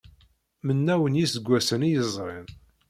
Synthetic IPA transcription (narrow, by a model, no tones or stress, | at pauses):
mənːæwənjisəɡʷːæsənijəzˤɾˤɪn